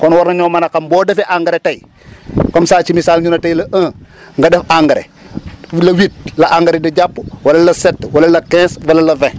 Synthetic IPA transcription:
kɔnwɔɾnɐɲɔːmɐnɐkɐmbɔːdɛfɛʔaŋɡɐɾetɐj | kɔmsaːt͡ʃimisaːlɲunɐtɐjlɐʔɐ̃ːŋɡɐdɛfaŋɡɐɾḛ | lɐwit̚lɐʔaŋɡɐɾɛdiɟapːuwɐlɐlɐsɛtːwɐlɐlɐkɛ̃ːswɐlɐlɐvɛ̃

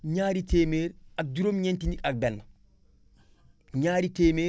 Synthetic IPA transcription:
ɲaːɾiteːmeːɾak̚duɾomɲentinikak̚bɛnː | ɲaːɾiteːmeː

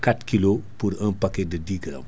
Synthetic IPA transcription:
katkilopuɾɐnpɐkɛdɐdiːɡɾɐ̰m

